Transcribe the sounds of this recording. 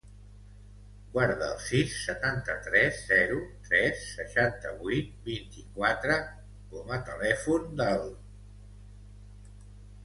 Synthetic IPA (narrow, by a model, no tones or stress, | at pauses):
ɡwaɾðəːlˠsisːət̪ant̪ət̪ɾɛzzɛɾut̪ɾɛsːəʃant̪əβujt̪̚bint̪ikwat̪ɾə | kɔmət̪əlɛfund̪əlˠ